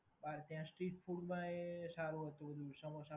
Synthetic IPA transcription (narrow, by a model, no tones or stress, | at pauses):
baɾt̪jãsʈɾiʈfʰuɽmãesaɾũɦət̪ũbəd̪ʱusəmosa